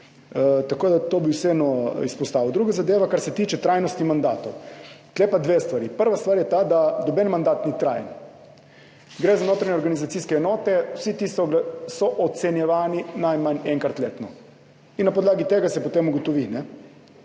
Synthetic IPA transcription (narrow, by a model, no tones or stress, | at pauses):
t̪akoːd̪at̪obiwsɛɛːnɔispɔst̪aːʋɔwd̪ɾuːɡazad̪eːʋakaɾsɛt̪iːt͡ʃɛt̪ɾajnɔst̪imand̪aːt̪owt̪lepad̪ʋest̪ʋaɾipəɾʋast̪ʋaːɾjɛt̪ad̪ad̪ɔbɛnmand̪aːt̪nit̪ɾa̰ːjən | ɡɾɛzanoːt̪ɾaɲɛɔɾɡanizat̪siːskɛːnɔːt̪ɛwsit̪ist̪ɔɡlɛsɔʔɔt̪sɛnjɛʋaːninajmanɛŋkat̪leːt̪nɔ | inːapɔd̪laːɡit̪eːɡasɛpɔt̪eːmuɡot̪ɔʋinɛ